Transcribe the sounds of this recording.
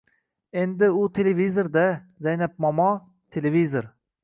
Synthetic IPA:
end̪ɪʊt̪ʰelevizoɾd̪azajnap̚mɒmɒ | t̪ʰelevizoɾ

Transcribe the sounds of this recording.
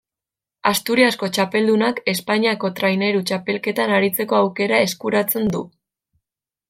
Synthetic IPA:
ast̪uɾiasko̞t͡ʃape̞ld̪unake̞spaɲiako̞t̪ɾajne̞ɾut͡ʃape̞lke̞t̪anaɾit͡se̞ko̞awke̞ɾae̞skuɾat͡se̞nd̪u

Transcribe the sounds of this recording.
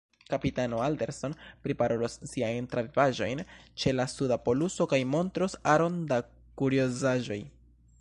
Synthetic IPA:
kapitano̞alde̞ɾso̞npɾipaɾo̞losːiajntɾavivaʒo̞jnt͡ʃe̞lasudapo̞luso̞kajmo̞ntɾosaɾo̞nda | kuɾiozaʒo̞j

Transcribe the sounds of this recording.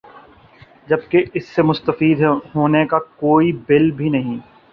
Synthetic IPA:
d͡ʒɐb̚keɪsːemʊst̪əfiːd̪ɦoːnekakoːibɪlbʱinɐɦĩː

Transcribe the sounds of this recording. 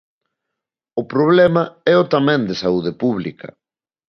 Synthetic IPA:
ʊpɾoβ̞lɛmɐɛʊt̪amɛ̃nd̪ɪsauð̞epuβlikɐ̰

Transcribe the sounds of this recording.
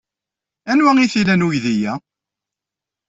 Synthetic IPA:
ænwæŋiθilænwujðijæ

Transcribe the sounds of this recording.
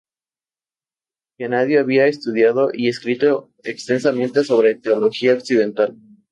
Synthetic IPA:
kenaðje̞aβiaest̪uð̞jað̞o̞ʔie̞skɾit̪o̞ | ekst̪e̞nsamẽ̞nt̪e̞so̞β̞ɾe̞t̪eolo̞xiaoksið̞e̞nt̪al

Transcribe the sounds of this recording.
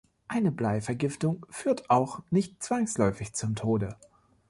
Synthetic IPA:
ʔaɪnəblaɪfɛɐɡɪftʊŋfyːɐtʰaʊxnɪçt̚t͡sv̥aŋslɔʏfɪçt͡sʊmtʰoːdə

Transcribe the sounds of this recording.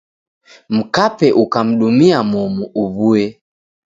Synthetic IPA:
m̩kapɛʔukam̩ɗumiamɔmuʔuβuɛ

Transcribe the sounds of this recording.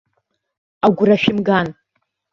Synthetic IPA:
aɡʷʊraʃᶣɪmɡan

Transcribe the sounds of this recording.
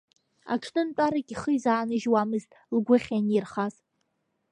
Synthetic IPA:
a̰ʈ͡ʂʰnɨnt͡pʷʼaɾakʲʼiχəizaːnɨʒwamɨztʼlɡʷʊχʲanirχaz

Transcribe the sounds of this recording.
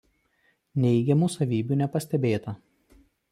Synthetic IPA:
nʲɛɪɡʲɛmusɐʋʲiːbʲuːnʲɛpɐsʲt̪ʲɛbʲeːt̪ɐ

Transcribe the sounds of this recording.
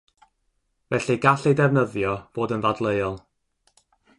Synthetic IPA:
vɛɬiɡaɬejdɛvnəðjɔb̥oːdənvadlˠejɔlˠ

